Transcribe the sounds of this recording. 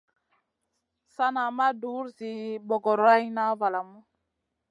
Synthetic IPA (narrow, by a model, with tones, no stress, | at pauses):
sa˦na˨ma˦du˦ɾzi˨bo˨ɡo˨ɾa˦jna˦va˨la˨mu˦